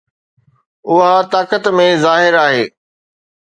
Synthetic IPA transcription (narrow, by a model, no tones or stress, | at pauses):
ʊɦat̪aːkət̪mẽzaːɦɪɾaːɦeː